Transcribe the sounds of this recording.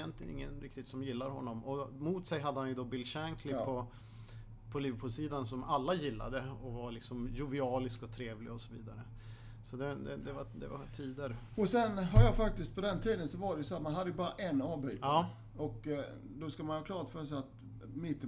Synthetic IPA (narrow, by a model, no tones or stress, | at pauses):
jɛnt̪lɪɡə̰nɪ̰ŋːənɾɪk̚t̪ɪt̪sɔmjɪlːaɾɦɔ̰nːɔmɔmut̪sɛjɦad̪ːəhanjɵd̪ɔbɪlːɕæŋkʰlɪpʰɔ | pʰɔliːvəɾpʰʉːlsiːd̪ansɔmalːajɪlːa̰d̪əɔvaɾlɪksɔmjʊvɪɑːlɪskɔt̪ʰɾeːvlɪɡaɔsɔviːd̪aɾə | sɔd̪ɛd̪ɛd̪ɛvad̪ɛva̰t̪ʰiːd̪əɾɔsɛnɦaɾjɑfak̚t̪ɪst̪̚pʰɔd̪ɛnt̪ʰiːd̪ənsɔvaɖɛjʉsɔat̪manɦad̪ːəjɵbɑːɾaʔɛnːɑːvbyːt̪əɑː | ɔk | d̪ɔskamanhɑːkʰlɑːɾt̪fœɾsat̪ | mɪt̪ːə